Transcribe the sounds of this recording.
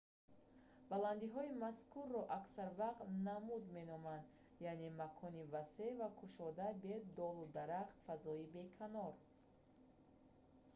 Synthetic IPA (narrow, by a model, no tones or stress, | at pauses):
baland̪iɦɔimaskurːɔʔaksaɾvaqt̪namud̪me̞nɔmand̪ | jane̞makʰɔnivase̞vakʰuʃɔd̪abed̪ɔlud̪aɾaχt̪fazɔibe̞kʰanɔɾ